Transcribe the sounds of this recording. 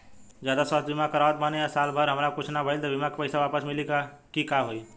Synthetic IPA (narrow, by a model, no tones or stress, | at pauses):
d͡ʒjad̪aswast̪bimakəɾaʋət̪̚maneasalbʱəɾɦəmɾakut͡ʃʰnabʱəjlt̪ɔbʱimakepəjsabapəsmilika | kikaɦoi